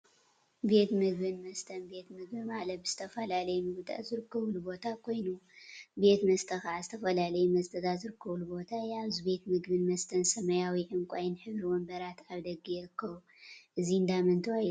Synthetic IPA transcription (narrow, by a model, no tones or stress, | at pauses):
be̞t̪mɨɡbɨnmɐst̪ʰɐnbe̞t̪mɨɡ̚bimalɐt̪̚bɨz̥ɨt̪ʰɐfɐlalɐjɛmɨɡɨt̪ʼa̰zɨɾɨkʰːɐβulubo̞t̪ʰakʰo̞jnube̞t̪mɐst̪ʰɐxʕazɨt̪ʰɐfɐlalɐjumɐst̪ʰɐd̪azɨɾɨkʰːɐβulubo̞t̪ʰajaβzɨbe̞t̪mɨɡbɨnmɐst̪ʰɐnsɐmɐjawiʕɨmkʷʼajɪnħɨβɾiwɔmbɐɾat̪aβd̪ɐɡijɛɾɨkʰːɐβu | ʔɨzind̪amɐnt̪ʰɨaj